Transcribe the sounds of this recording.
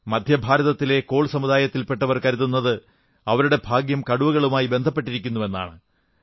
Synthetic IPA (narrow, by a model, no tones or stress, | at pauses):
mɐd̪ʱjɐbʱaːɾɐðɐt̪ːileko̞ːɭsɐmud̪aːjɐt̪ːilpe̞ʈːɐʋɐrkɐɾuðunːɐðɨ | ɐʋɐɾuɽe̞bʱaːɡjɐmkɐɽuʋɐɣɐɭumaːjibe̞nd̪ʱɐpːe̞ʈːiɾikʲːunːuʋe̞nːa̰ːɳɨ